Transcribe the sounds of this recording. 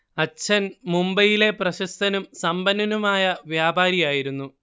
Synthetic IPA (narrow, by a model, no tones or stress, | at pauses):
ɐt͡ɕʰɐnmumbɐjile̞prɐɕɐst̪ʰɐnumsɐmbɐnːɐnumaːjɐʋjaːbaːɾijaːjiɾunːu